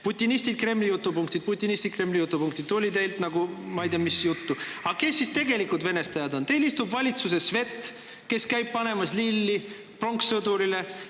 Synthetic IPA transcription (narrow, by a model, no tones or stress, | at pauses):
put̪ʲˑːinist̪id̪̚kre̞mlijut̪ːˑupuŋk̚t̪id̪̚put̪ʲːˑinisʲt̪it̪̚kre̞mlijut̪ːˑupuŋk̚t̪id̪olʲit̪ejlt̪nɑɡ̥umɑejd̪ʲiɑmisjut̪ːuɑkesːist̪e̞ɡe̞likud̪ve̞ne̞st̪ɑjɑd̪o̞nt̪e̞jlist̪ubvɑlʲit̪suse̞sve̞t̪ː | ke̞skæjb̚pɑne̞mɑslilːi | pro̞ŋksɤd̪uɾile̞